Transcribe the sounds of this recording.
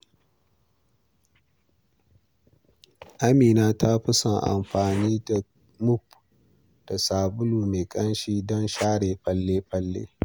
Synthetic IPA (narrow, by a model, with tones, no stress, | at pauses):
ʔa˦miː˨naː˦tʰa˦ɸɪ˦sɐ˨ŋʔa̰˨mɸaː˨niː˦da˨ | mʊ˦p | d̥a˨saː˨bʊ˦luː˨meː˨kʼɐ˦nʃiː˦dɔ˦nʃaː˦ɽeː˨ɸɐ˦lːeː˦ɸɐ˦lːḛː˦